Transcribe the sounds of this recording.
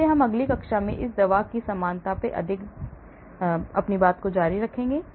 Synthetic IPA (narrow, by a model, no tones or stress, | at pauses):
eɦɐmɐɡlikɐkʃamḛ̃ʔɪs̬d̪ɐʋaːkisɐmaːnt̪apeʔɐ̰d̪ʱɪk | ɐpnibaːt̪kod͡ʒaːɾiɾɐkʰẽːŋɡeː